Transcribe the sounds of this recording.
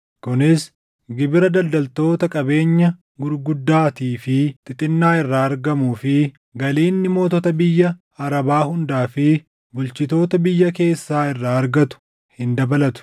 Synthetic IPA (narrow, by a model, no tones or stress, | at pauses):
kʊnɪs | ɡɪbɪɾɐd̪ɐld̪ɐlt̪o̞ːt̪ɐkʼɐbe̞ːɲːɐ | ɡʊɾɡʊd̪ːaːt̪iːfɪt̪ʼɪt̪ʼɪnːaːɪrːaːɐɾɡɐmuːfɪ | ɡɐliːnːɪmo̞ːt̪ɔt̪ɐbɪjːɐ | ɐɾɐbaːhʊnd̪aːfɪ | bʊlt͡ʃɪt̪o̞ːt̪ɐbɪjːɐke̞ːsːaːɪrːaːɐɾɡɐt̪ʊ̥ | hɪnd̪ɐbɐlɐt̪ʊ̥